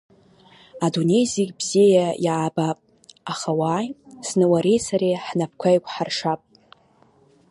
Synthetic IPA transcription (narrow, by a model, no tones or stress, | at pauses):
adone̞jziɡʲbz̥ejajʕːbapʼ | aχawajsnɨwaɾejsʰaɾeħnap̚ʰkʷʰajkʷʰʼħarʂapʼ